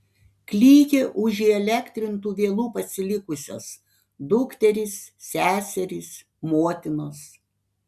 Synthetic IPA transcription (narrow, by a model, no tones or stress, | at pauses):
klʲiːɡʲeʔʊʒʲɪɛlʲɛkʲt̪ʲɾʲɪnt̪uːʋʲeːlˠuːpɐsʲɪlʲɪkʊsʲo̰ːs | d̪ʊkt̪ʲɛɾʲɪsːʲæːsʲɛɾʲɪs | moːt̪ʲɪnoːs